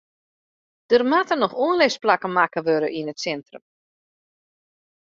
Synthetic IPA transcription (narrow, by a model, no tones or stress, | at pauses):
d̥ərmatənɔxoənlɪsplakəmakəʋøɾəʔinətsɛntrə̰m